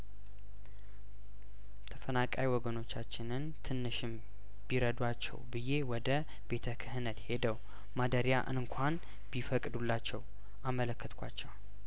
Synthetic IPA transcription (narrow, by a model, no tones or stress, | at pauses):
t̪ʰəfənakʼawiwɔɡəno̞t͡ʃːat͡ʃːɪnɨnt̪ʰɨnːɨʃɪm | biɾəd̪wat͡ʃːɛ̰wbɨje̞wɔd̪ə | be̞t̪ʰəkʰɨhɨnət̪he̞d̪əw | mad̪əɾja̰ʔɨ̰ŋkʰʷan | b̥ifəkʼd̪ulːat͡ʃːɛw | ʔamələkːət̪kʷʰa̰t͡ʃːɛw